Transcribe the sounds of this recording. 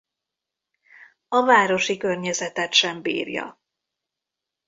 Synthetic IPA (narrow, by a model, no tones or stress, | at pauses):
ɒvaːɾo̞ʃikørɲɛzɛt̪ɛt̪ʃɛmbḭːrjɒ̰